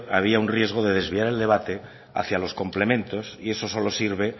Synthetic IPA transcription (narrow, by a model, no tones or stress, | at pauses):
aβ̞iaunrje̞zɣ̞o̞ðe̞ðezβiaɾe̞ld̪e̞βat̪e̞ | a̰θjalo̞sko̞mple̞mẽ̞nt̪o̞sie̞so̞so̞lo̞siɾβ̞e̞